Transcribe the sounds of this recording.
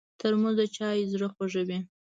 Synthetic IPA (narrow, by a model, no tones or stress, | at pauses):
t̪əɾmuzat͡ʃɑjzɽəxwaʒəwi